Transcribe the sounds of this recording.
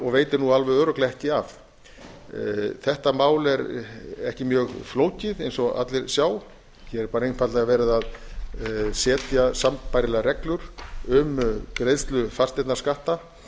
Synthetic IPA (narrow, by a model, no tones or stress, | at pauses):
ɔɣveːjt̪ɪnualvœðœːɾʏklɛɛhcɪaf | θɛht̪amaːwlɛɾɛhcɪmjœːɣfloːwcɪðejnsɔa̰t̪lɪɾ̥sjaːw | çɛɛɾpaːɾejnfat̪laɣavɛːɾɪðað | sɛːt̪jasampajɾɪlɛɣaɾɛklʏɾ̥ʏmkɾejðst̪lʏfarst̪ɛt̪naskaht̪a